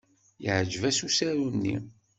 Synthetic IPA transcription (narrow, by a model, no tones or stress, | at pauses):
jəʕd͡ʒəvæsusæɾunːḭ